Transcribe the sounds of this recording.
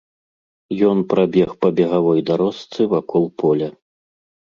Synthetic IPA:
jɔnpɾabʲɛxpɐbʲɛɣavɔjd̪aɾɔst̪sɨvakɔlˠpɔlʲɐ

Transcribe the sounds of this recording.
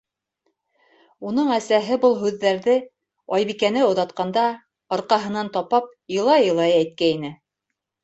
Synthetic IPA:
un̪ɤɴæsæɦɘbɤlˠɦʉðːæɾðɘ | ɑjβikænɘŏðɑt̪qɑnd̪ɑ | ɑɾqɑɦɤ̆nɑnt̪ɑpɑp̚jɤ̆lˠɑjɤ̆lˠɑjæjt̪̚kæinɘ

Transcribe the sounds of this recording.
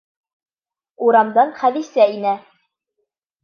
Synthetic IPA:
uɾɑmd̪ɑnχæðisæinæ

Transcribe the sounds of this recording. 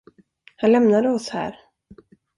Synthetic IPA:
hanlɛmnad̪əɔshæ̰ːɾ

